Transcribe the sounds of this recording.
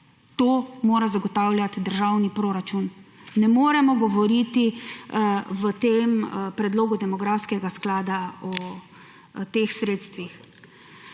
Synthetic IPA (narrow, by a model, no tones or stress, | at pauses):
t̪oːmoːɾazaɡɔt̪aːwlʲjat̪d̪əɾʒawnipɾoːɾat͡ʃunːɛmoːɾɛmɔɡɔʋɔɾit̪i | ʋət̪empɾɛd̪loːɡud̪ɛmɔɡɾafskɛɡasklaːd̪aɔ | t̪exsɾeːt̪st̪ʋix